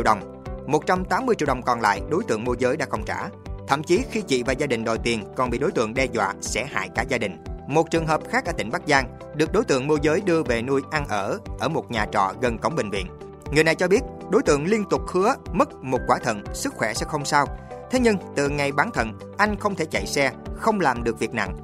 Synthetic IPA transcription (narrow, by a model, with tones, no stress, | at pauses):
i˧˨˩wɗə˨˩wŋ͡m | mo˨˩t̚t͡ɕa˧mt̪aː˨˦mːɨ˧t͡ɕḭ˧əwɗə˨˩wŋ͡mkɔ˨˩nla̰ː˧˨jɗo˨˦jt̪ɨ̰˧˨əŋmu˧zəː˨˦jɗa̰ː˧˥xə˧wŋ͡mt͡ɕa̰ː˧˩t̪ʰə̰˧˨mt͡ɕi˨˦xi˧t͡ɕḭ˧˨vaː˨˩wzaː˧ɗï˨˩ŋ̟ɗo̰˧˨jt̪i˨˩ənkɔ˨˩nɓḭ˧˨ɗo˨˦jt̪ɨ̰˧˨əŋɗɛ˧zwa̰ː˧˨sɛ̰˧˥ha̰ː˧˨jkaː˧˥zaː˧ɗï˨˩ŋ̟mo˨˩t̚t͡ɕɨ˨˩əŋɦəː˨˩p̚xaː˦˥k̚ʔəː˧˩t̪ï˧˩ŋ̟ɓa˦˥k̚zaː˧ŋ | ɗɨ˨˩ək̚ɗo˨˦jt̪ɨ̰˧˨əŋmo˧zəː˨˦jɗɨ˧əve˨˩nu˧əjʔa˧nʔəː˧˩ʔəː˧˩mo˨˩t̚ɲaː˨˩t͡ɕɔ̰˧˨ɣə˨˩nkə˨˦wŋ͡mɓï˨˩ŋ̟vḭ˧˨ən | ŋɨ˨˩əjna˨˩jt͡ɕɔ˧ɓi˦˥ət̚ | ɗo˨˦jt̪ɨ̰˧˨əŋli˧ənt̪ʊ˨˩k͡p̚hɨ˨˦əmə˦˥t̚mo˨˩t̚kwaː˧˩t̪ʰə̰˧˨nsɨ˦˥k̚xwɛ˧˩sɛ̰˧˥xə˧wŋ͡msaː˧wt̪ʰe˨˦ɲɨ˧ŋt̪ɨ̰˧˨ŋa˨˩jɓaː˨˦nt̪ʰə̰˧˨n | ʔa˧jŋ̟xə˧wŋ͡mt̪ʰe˧˩t͡ɕə˧˨jsɛ˧xə˧wŋ͡mlaː˨˩mɗɨ˨˩ək̚vi˨˩ək̚na̰˧˨ŋ